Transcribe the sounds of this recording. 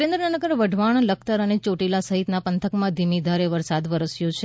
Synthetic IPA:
ɾẽnd̪ɾənanəɡəɾʋəɖʱʋaɳ̃ləkʰt̪əɾənet͡ʃoʈilasəɦit̪napənt̪ʰəkmãd̪ʱimid̪ʱaɾeʋəɾsad̪ʋəɾəsjot͡ʃʰe

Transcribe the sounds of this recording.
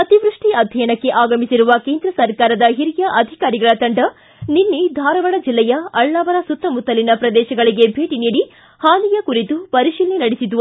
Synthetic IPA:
ɐt̪iʋɾuʂʈiɐd̪ʱjɐjɐɳɐkːe̞ʔaːɡɐmisiɾuʋɐkeːnd̪ɾɐsɐɾkaːɾɐd̪ɐɦiɾijɐʔɐd̪ʱikaːɾiɡɐɭɐt̪ɐɳɖɐ | ninːid̪ʱaːɾɐʋɐɽɐd͡ʒilːɛjɐɐɭnaːʋɐɾɐsut̪ɾɐmut̪ːɐlinɐpɾɐd̪ɛːʃɐɡɐɭiɡe̞bʱeːʈiniːɽi | haːnijɐkuɾit̪upɐɾiʃiːlnenɐɽisid̪u

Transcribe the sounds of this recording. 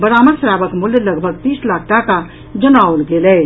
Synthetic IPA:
bəɾaməɾsɾabəkmuljləɡbʱəɡt̪iːslakʰʈaka | d͡ʒənaolɡelɛ

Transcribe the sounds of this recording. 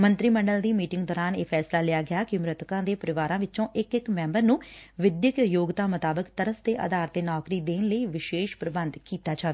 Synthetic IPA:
mənt̪ɾiːməɳɖəld̪iːmiːʈɪŋɡd̪ɔːɾaːneːpʰɛːslaːlɪjaːɡɪjaːkɪmɾɪt̪kãːd̪eːpəɾɪʋaːɾãːʋɪt͡ʃõːʔɪkɪkmɛ̃ːmbəɾnũːʋɪd̪jəkjoːɡt̪aːmət̪aːbəkt̪əɾəst̪eːʔə̰d̪aːɾt̪eːnɔːkɾiːd̪eːnləiːʋɪʃeːʃpɾəbənd̪kiːt̪aːd͡ʒaːʋeː

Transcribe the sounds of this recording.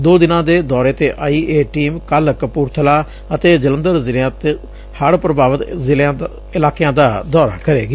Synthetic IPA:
d̪oːd̪ɪnãːd̪eːd̪ɔːɾeːt̪eːʔaːiːʔeːʈiːmkaləkpʊɾt̪ʰəlaː | ət̪eːd͡ʒələ̃nd̪əɾzɪljãːt̪eː | həɽpɾəbaːʋət̪zɪljãː | ɪlaːkejãːd̪aːd̪ɔːɾa̰ːkəɾeːɡ

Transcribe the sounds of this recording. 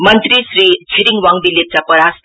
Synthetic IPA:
mʌnt̪risrit͡sʰiɾiŋɡwaŋbilːet̪̚t͡sapʌɾas

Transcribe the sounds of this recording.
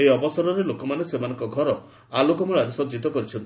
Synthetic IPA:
ejɔbɔsaɾɔɾelokɔmanesemanɔŋkɔɡʱɔɾɔ | alokɔmeɭaɾesɔd͡ʒit̪ɔkɔɾit͡ʃʰɔnt̪i

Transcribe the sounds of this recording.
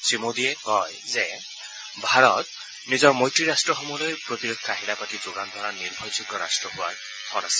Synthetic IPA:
sɹimodiɛkɔjzɛ | bʱaɹɔt̪̚ | nizɔɹmɔjtɹiɹastɹɔxɔmɔlojpɹot̪iɹɔkʰːaɦilapatizoɡand̪ʱɔɹaniɹbʱɔjsiɡɔɹa̰stɹɔɦʊwa̰ɹ | tʰɔnasɛ̥

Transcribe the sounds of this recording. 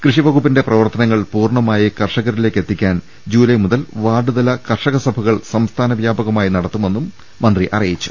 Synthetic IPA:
krɨʂiʋɐɣupːinde̞prɐʋɐrt̪ɐnɐŋːɐɭpuːrɳɐmaːjikɐrʂɐɣɐɾile̞ːkːe̞t̪ːikʲːaːn | d͡ʑuːlɐjmuðɐlʋaːɖuðɐlɐkɐrʂɐɣɐsɐbʱɐɣɐɭsɐmst̪ʰaːnɐʋjaːbɐɣɐmaːjinɐɽɐt̪ːume̞nːumː | ɐnd̪riʔɐ̰rijit͡ɕːu̥

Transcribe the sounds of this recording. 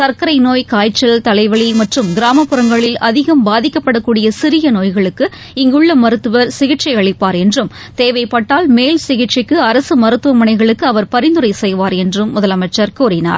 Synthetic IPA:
sɐɾkɐɾɐɪnoːjkaːjt͡ʃːɐlt̪ɐlɐɪʋɐɭimɐʈrɯmɡɪɾaːmɐpːɯɾɐŋɡɐɭɪlɐðɪɣɐmbaːðɪkːɐpːɐɽɐkːuːɽɪjɐsɪɾɪjɐnoːjɣɐɭɯkːɯ | ɪŋɡɯɭːɐmɐɾɯt̪ːɯʋɐɾsɪɣɪʈt͡ʃɐɪɐɭɪpːaːɾɛndrɯm | t̪eːʋɐɪpːɐʈːaːlmeːlsɪɣɪʈt͡ʃɪkːɯɐɾɐsɯmɐɾɯt̪ːɯʋɐmɐɳɐɪɣɐɭɯkːɯɐʋɐɾpɐɾɪnd̪ɯɾɐɪsɛjʋaːɾɛndrɯmːʊðɐlɐmɐɪt͡ʃːɐɾkuːrɪna̰ːɾ

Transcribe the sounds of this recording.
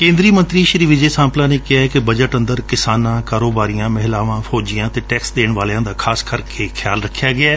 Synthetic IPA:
kẽːnd̪ɾiːmə̃nt̪ɾiːʃɾiːʋɪd͡ʒeːsãːmplaːneːkɪaːɛkɪbəd͡ʒəʈə̃nd̪əɾkɪsaːnãːkaːɾoːbaːɾijãːmɛɦɪlaːʋãːfʰoːd͡ʒɪjãːt̪eːʈɛːksd̪eːɳʋaːlãːd̪aːkʰaːskəɾkʰeːkʰɪjaːlɾəkʰːjaːɡɪaː

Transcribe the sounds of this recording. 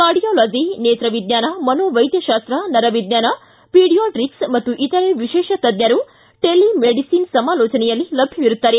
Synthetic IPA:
kaːɾɖijoːloːd͡ʒineːt̪ɾɐʋid̪ɲaːnɐmɐnoːʋɐjd̪jɐʃaːst̪ɾɐnɐɾɐʋid̪ɲaːnɐ | piːɖijoːʈɾiksmɐt̪ːuʔit̪ɐɾeʋiʃɛːʃɐt̪ɐd̪jɐɾu | ʈelːimeɖisiːnsɐmaːloːt͡ʃɐnɛjɐlːilɐbʱjɐʋiɾut̪ːaːɾe

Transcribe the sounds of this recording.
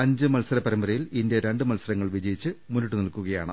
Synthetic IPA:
ɐɲd͡ʑɨmɐlsɐɾɐpɐɾɐmbɐɾɐjilindjeɾe̞ɳɖɨmɐlsɐɾɐŋːɐɭʋid͡ʑɐjit͡ɕːɨmunːiʈːunilkuɣɐja̰ːɳɨ̰

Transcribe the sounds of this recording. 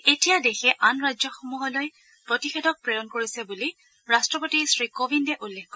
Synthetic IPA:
etijadexɛʔanɹajd͡ʒzɔxumuɦɔloj | pɹotixedɔk̚pɹeɹɔnkoɹisɛbuli | ɹastɹɔpotisɹikobʱindɛʔulːekkːɔ

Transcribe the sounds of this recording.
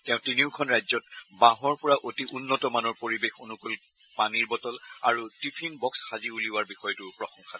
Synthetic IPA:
tɛʊ̃tiniʊkʰɔnɹajzɔtbaɦɔɹpɔɹaʔotiʔunːɔtɔmanɔɹpoɹibexonukol | paniɹbɔtɔla̰ɹutipʰinbɔksxaziuliwaɹbixɔjɔtupɹɔxɔŋxʰa

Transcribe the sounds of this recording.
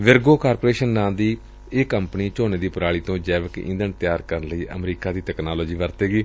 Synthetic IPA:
ʋɪɾɡoːkaːɾpoːɾeːʃənnãːd̪iː | ɪkəmpniːt͡ʃoːneːd̪iːpəɾaːɭiːt̪õːd͡ʒɛːʋəkɪ̰̃nd̪əɳt̪ɪjaːɾkəɾnləiːʔə̰mɾiːkaːd̪iːt̪ɛːknaːloːd͡ʒiːʋəɾt̪eːɡiː

